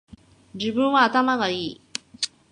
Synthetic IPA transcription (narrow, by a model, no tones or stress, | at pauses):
d͡ʑibɯ̟̃ɰ̃βaːt̪amaɡaiː